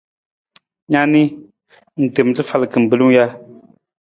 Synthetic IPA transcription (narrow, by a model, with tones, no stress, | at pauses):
ɲa˦ni˦ | n̩˨te˨m˦tɨ˦fa˦˨lkɨ˨m̩˨bɨ˨˦lɨ˦ŋ˦ja˦